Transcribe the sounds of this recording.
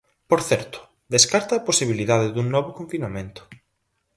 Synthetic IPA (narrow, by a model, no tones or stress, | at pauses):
poɾθɛɾt̪ʊ̥ | ðeskaɾt̪ɐːposiβ̞iliðaðɪðuŋnɔβʊkõɱfinamẽnt̪ʊ̥